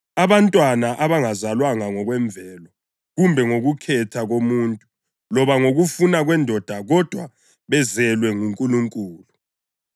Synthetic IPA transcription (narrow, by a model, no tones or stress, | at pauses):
aβantʼwanaʔaβaŋazalwaŋaŋɔɣwɛɱb̪vʱɛːlɔ | ɣumbʱɛŋoɣukʰɛtʰaɣomuntʼu | lɔβaŋoɣufunaɣwɛndʱɔd̥ʱaɣɔd̥ʱwa̰ | βɛzɛlwɛŋuŋkʼuluŋkʼuːlu